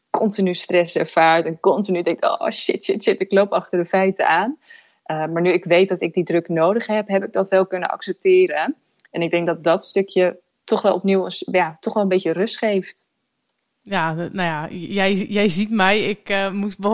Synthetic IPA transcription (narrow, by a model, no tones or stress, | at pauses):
kɔntinystrɛsɛɹvaːɹtɛnkɔntinydɛŋto̰ːʃɪtʃɪtʃɪtɪklowpɑχtəɹdəfɛjtə̰aːn | ʔəmaːɹnyɪkʋejt̚dɔtɪk̚didrøknoːdəχɦɛpɦɛpɪɡ̚dɔtʋɛlˠkønə̰ʔɑ̰ksɛp̚tɪːɾə | ɛnɪɡ̚dɛŋk̚dɔt̚dɔtstøkjə | tɔχʋɛlˠɔpniwəsjatɔχʋɛlˠəmbejərøstχejft | janajajɛjjɛjzitmɛjɪkmutb